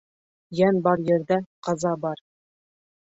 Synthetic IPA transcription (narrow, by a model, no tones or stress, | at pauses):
jænbɑɾjɘ̆ɾd̪æqɑzɑbɑɾ